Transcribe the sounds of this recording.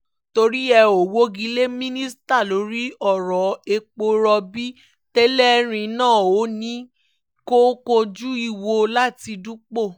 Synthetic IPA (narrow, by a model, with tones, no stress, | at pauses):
to˧ɾi˦ɛ˧o˨wo˦ɡi˦le˦mĩ˦nĩ˦sta˦˨lo˨˦ɾi˦ɔ˦˨ɾɔ˨e˧k͡po˧ɾɔ˧bi˦ | tɛ˦lɛ˦ɾ̃ĩ˧nãː˦˨o˨˦nĩ˦ | ko˦ko˧d͡ʒu˦i˧˨wo˧la˦ti˧du˦k͡po˦˨